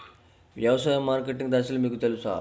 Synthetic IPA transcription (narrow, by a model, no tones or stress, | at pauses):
ʋjawsajmaɾkeʈiŋɡd̪aɕilmikut̪elusa̰